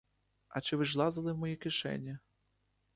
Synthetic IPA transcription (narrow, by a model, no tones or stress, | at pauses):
ɐ̰t͡ʃɪʋɪʒlˠɑzɐlˠɪwmɔjikɪʃɛ̰nʲːɐ